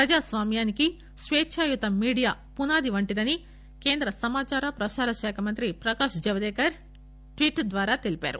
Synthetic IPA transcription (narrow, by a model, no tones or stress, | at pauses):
pɾɐd͡ʒaːsʋaːmjaːniki | sʋeːʃʰaːjut̪ɐmiːɽijaː | punaːd̪iʋɐɳʈid̪ɐni | keːnd̪ɾɐsɐmaːt͡ʃaːɾɐpɾɐʃaːɾɐʃɛːkʰɐmɐnt̪ɾipɾɐkaːʃd͡ʒɐʋɐd̪ɛːkɐɾ | ʈʋiːʈd̪ʋaːɾaːt̪elipa̰ːɾṵ